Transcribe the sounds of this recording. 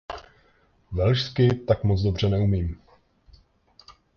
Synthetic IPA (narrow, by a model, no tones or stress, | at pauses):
vɛlʃskɪt̪akmot͡sdo̞br̝ɛnɛumiːm